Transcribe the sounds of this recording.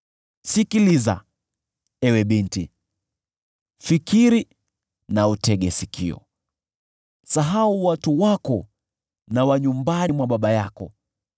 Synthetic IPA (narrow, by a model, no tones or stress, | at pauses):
sikiliza̰ | ɛwɛɓintḭ | fikiɾi | nautɛɠɛsikḭɔ̰ | saɦauwatuwakɔ | nawaɲumbanimwaɓaɓajakɔ